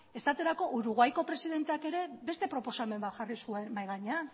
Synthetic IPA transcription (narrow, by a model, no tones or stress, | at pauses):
e̞st̪at̪e̞ɾako̞ʔuɾuɣajko̞pɾe̞siðe̞nt̪eake̞ɾe̞be̞st̪e̞pɾo̞po̞same̞mbat̪ʝarisue̞nbajɣaɲea